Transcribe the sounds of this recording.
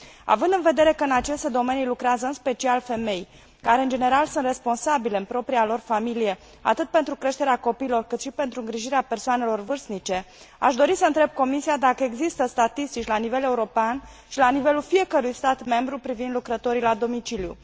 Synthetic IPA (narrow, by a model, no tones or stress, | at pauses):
a̰vɨnd̪ɨnve̞d̪e̞ɾe̞kəɨnat͡ʃe̞st̪e̞d̪o̞me̞nilukɾeazəɨnspe̞t͡ʃialfe̞me̞j | kaɾe̞ɨnd͡ʒe̞ne̞ɾalsunt̪re̞spo̞nsabile̞ɨmpɾo̞pɾialo̞rfamilije̞ | a̰t̪ɨt̪̚pe̞nt̪ɾukɾe̞ʃt̪eɾeako̞piːlo̞rkɨt̪ʃipe̞nt̪ɾuɨŋɡɾiʒiɾeape̞rsoane̞lo̞rvɨrznit͡ʃe̞ | a̰ʃd̪o̞ɾisəɨnt̪ɾe̞b̚ko̞misiad̪akəe̞ɡzist̪əst̪at̪ist̪it͡ʃʲlanive̞le̞uɾo̞pean | ʃilanive̞lulfije̞kəɾujst̪at̪me̞mbɾupɾivind̪lukɾət̪o̞ɾilad̪o̞mit͡ʃilijṵ